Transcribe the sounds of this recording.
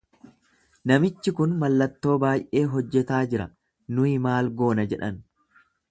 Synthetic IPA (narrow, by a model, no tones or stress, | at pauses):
nɐmɪt͡ʃːɪkʊnmɐlːɐt̪ːo̞ːbaːjʔe̞ːɦɔd͡ʒːɛt̪aːd͡ʒɪɾɐ̰ | nʊɪmaːlɡo̞ːnɐd͡ʒɛᶑɐn